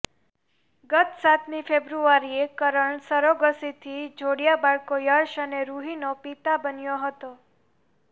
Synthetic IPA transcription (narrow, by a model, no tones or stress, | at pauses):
ɡət̪sat̪mifebɾuaɾiekəɾəɳsəɾoɡəsit̪ʰid͡ʒʱoɽjabaɭkojəɾʃəneɾuɦinopit̪abənjoɦət̪o